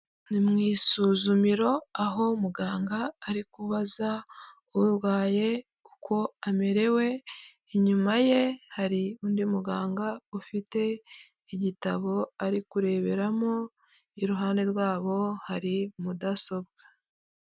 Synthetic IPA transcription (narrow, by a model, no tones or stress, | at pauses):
nimŋiːsuːzumiɾo̞aɦo̞muɡaːŋɡaːɾikuβaza | uɾwaːje̞ | ku̥kʰo̞ame̞ɾe̞we̞ | iɲumaje̞haɾiundimuɡaːŋɡaufite̞ | iɟitaβo̞aɾikuɾe̞βe̞ɾamo̞ | iɾuɦaːnde̞ɾwaːβo̞haɾimudaso̞bɡa